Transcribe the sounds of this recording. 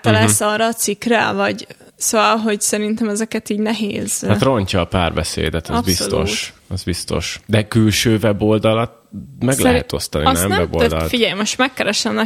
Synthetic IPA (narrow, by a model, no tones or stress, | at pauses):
t̪ɒlɛsɒrɒːt̪sikrɛvɒɟ | soːvɒlɦo̞ɟsɛɾint̪ɛmɛzɛkɛt̪iːɟnɛɦeːz̥hat̪ro̞ɲcɒːpaːrbɛsḛːd̪ɛt̪zbislt̪o̰ʃɛzbist̪o̞̰ʃd̪ɛkylʃøːvɛbo̞ld̪ɒlɒt̪̚mɛɡlɛɦɛ̰t̪o̞st̪ɒninɛmnvɛbod̪ɒ̰lt̪fiɟɛjmoʃt̪mɛkːɛɾɛʃlɛnɛ